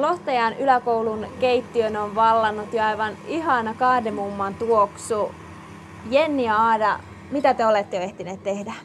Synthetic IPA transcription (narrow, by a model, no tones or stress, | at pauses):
loht̪ɑjɑnylækoulunkeit̪ːiønoʋʋɑlːɑnːut̪joɑiʋɑniɦɑnɑkɑhdemumːɑnt̪uoksu | jenːiɑɑːdɑ | mit̪æt̪eolet̪ːeoeht̪ineːt̪t̪ehdæ